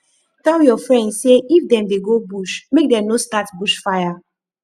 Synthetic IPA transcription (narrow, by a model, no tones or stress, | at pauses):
tɛljɔfɹɛ̃ndseifdɛ̃mdeɡobuʃmek̚dɛ̃mnostatbuʃfaja